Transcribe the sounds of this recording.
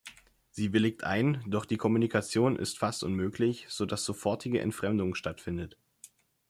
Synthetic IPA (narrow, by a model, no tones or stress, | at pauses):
z̥iːbɪlɪk̚tʰʔa̰ɪnd̥ɔχd̥iːkʰɔmunikʰat͡sjoːnʔɪ̰stfastʔʊnmøːkʰlɪçz̥odasz̥ofɔɐtʰɪɡəʔɛ̰ntfʁ̥ɛmdʊŋʃtatfɪndət